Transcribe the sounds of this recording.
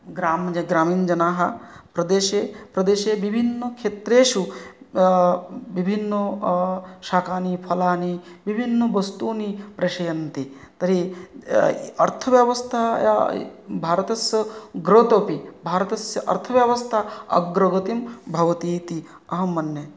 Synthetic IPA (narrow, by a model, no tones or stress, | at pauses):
ɡɾaːmd͡ʒɐɡɾaːmiːnd͡ʒɐnaːɦɐpɾɐd̪eːʃeːpɾɐd̪eːʃeːʋibʱinːɐkʰeːt̪ɾeːʃu | ʋibʱinːo | ʃaːkʰaːnipʰɐlaːniʋibʱinːɐʋɐst̪uːnipɾeʃɐjɐnt̪i | t̪ɐɾi | ɐɾt̪ʰɐʋjɐʋɐst̪ʰaja̰bʱaːɾɐt̪ɐsjɐɡɾoːt̪oːpibʱaːɾɐt̪ɐsjɐʔɐ̰ɾt̪ʰɐʋjaʋɐst̪ʰaɐ̰ɡɾɐɡɐt̪imbʱɐʋɐt̪iːt̪i | ɐɦɐmɐnjɐ